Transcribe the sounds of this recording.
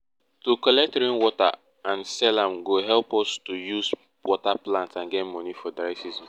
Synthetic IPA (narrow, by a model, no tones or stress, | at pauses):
tukɔlɛk̚tɾĩnwɔta̰ | ãnsɛlãmɡoɦɛlpɔstujus | wɔtaplãntãnɡɛtmɔnifɔdajsizɔ̃n